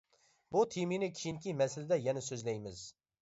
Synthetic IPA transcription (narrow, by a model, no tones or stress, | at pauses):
but̪ʰiminɪkʲʰi̥ʃinkʲʰimɛsɪlɪd̪ɛjɛnɛsøzlɛjmɪz